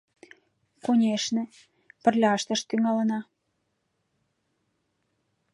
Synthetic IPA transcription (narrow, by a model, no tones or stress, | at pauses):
konʲeʃnĕ | pə̆rlʲɑʃt̪ə̆ʃt̪yŋɑlə̆nɑ